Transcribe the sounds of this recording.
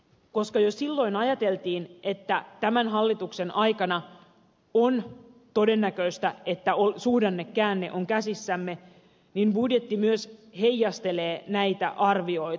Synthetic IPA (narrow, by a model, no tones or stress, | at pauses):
ko̞skɑjossilːo̞inɑjɑt̪e̞lt̪iːnʔet̪ːæt̪æmænɦɑlːit̪uksenʔɑjkɑnɑ | ont̪o̞de̞nːækøist̪æet̪ːæolsuːdɑnːekːæːnːḛʔoŋkæsisːæmːe̞ | ninbudjet̪ːimyøshejjːɑst̪e̞leːnæit̪æ̰ʔɑrʋio̞it̪